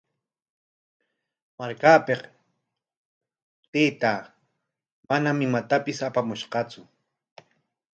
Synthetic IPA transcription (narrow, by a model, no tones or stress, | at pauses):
maɾkaːpeq | t̪eːt̪aː | manamɪmat̪apɪsapamʊʃqɑt͡sʊ